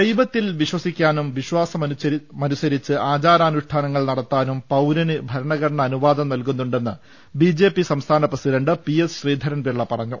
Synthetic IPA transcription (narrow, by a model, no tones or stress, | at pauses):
d̪ejbɐt̪ːilʋiɕwɐsikʲːaːnumʋiɕwaːsɐmmɐnusɐɾit͡ɕːɨʔaːd͡ʑaːɾaːnuʂʈʰaːnɐŋːɐɭnɐɽɐt̪ːaːnumpɐwɾɐnɨbʱɐɾɐɳɐɣɐɾɐɳɐːnuʋaːd̪ɐmnɐlkunːuɳɖe̞nːɨ̰ | bid͡ʑe̞ːpːisɐmst̪ʰaːnɐprɐsiɖɐɳɖɨpiesɕriːd̪ʱɐɾɐnʋiɭːɐpɐrɐɲːu